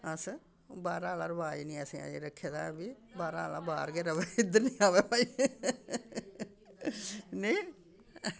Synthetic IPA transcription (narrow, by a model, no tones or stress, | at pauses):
əs | baːɾãːɦlaːɾəbaːiːnĩːəsĩːa̰ːḛːɾəkʰːeːd̪aːbi | baːɾãːlã̰ːbaːɾɡeːɾəʋeːɪd̪ənĩːaːʋeːpaːiː | neː